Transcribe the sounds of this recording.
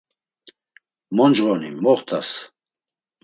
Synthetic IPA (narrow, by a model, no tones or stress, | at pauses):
mɔnd͡ʒʁɔnḭmɔʁt̪ʰʼas